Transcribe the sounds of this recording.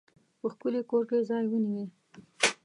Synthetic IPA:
pəxkʊlikoɾkezɑjwəniwi

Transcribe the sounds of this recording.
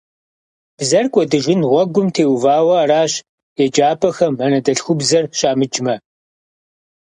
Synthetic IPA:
b̥zɐrkʷʼɔdɨʒʷɪnʁʷɔɡʷʊmtʰeːwvaːwɐaɾaːɕ | ed͡ʒaːpʰʼɐxɐmɐnɐdɐɬxʷʊbzɐrɕʼaːmɨd͡ʒmɐ

